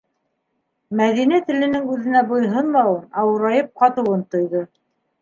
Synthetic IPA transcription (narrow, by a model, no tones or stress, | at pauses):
mæðinæt̪ɘ̆lɘ̆nɘŋʉðɘ̆næbŏjɦɤnlɑwɤnɑwɤ̆ɾɑjɤp̚qɑt̪ɤ̆wɤnt̪ŏjðo